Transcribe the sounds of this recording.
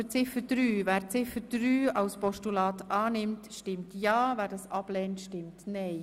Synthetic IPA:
ət͡sɪfəd̥ɾyːvæːɾt͡sɪfəd̥ɾyːɑʊspɔʃtulɑːtʔɑːnɪmtʃtɪmtjɑːvæːɾdɑsɑb̥lɛːntʃtɪmtnɛɪ

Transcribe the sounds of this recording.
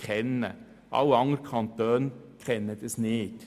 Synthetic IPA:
kɾɛnə | ʔɑ̰wɑŋɾkʰɑnt̪øːnkʰɾɛnːəd̪əsneːt̪

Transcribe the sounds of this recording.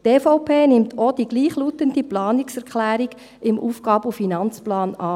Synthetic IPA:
teːfɔʊpʰeːnɪmtʰod̥iɡliːχluːtənd̥iplɑːnɪksɛʁkχlæːɾiɡ̥ | ɪmʔuːfɡ̥ɑːbufinɑnt͡splɑːnɑː

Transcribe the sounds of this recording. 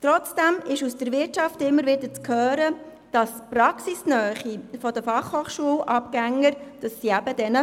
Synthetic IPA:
t̪ɾɔt͡sd̥æmɪʃusd̥əɾʋɪɾtʃɑftɪmːəɾʋɪdəɾt͡skʰøːɾə | d̥ɑsprɑksisnœːχifɔd̥əfɑχhoːχʃuəlʔɑpɡ̥æŋːəɾd̥ɑsːiæbədɛnə

